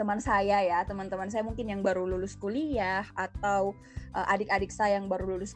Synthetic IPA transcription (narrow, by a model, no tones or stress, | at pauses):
t̪əmansajajat̪əmant̪əmans̬ajamuŋkɪnjaŋbaɾululʊskuliahat̪aw | ʔəʔadɪkadɪk̚sajaŋbaɾululʊs